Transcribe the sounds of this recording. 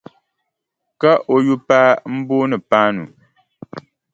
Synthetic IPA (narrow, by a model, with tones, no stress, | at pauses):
ka˦ʔo˨ju˦paː˦m̩˦bo˦nɨ˨paː˦nu˨